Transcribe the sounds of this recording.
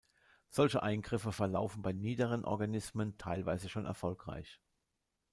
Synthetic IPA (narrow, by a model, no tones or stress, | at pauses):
z̥ɔlçəʔaɪnɡʁɪfəfɛɐla̰ʊfn̩baɪniːdəʁ̞ənʔɔ̰ɐɡanɪsməntʰaɪlva̰ɪzəʃoːnʔɛ̰ɐfɔlkʁ̥a̰ɪç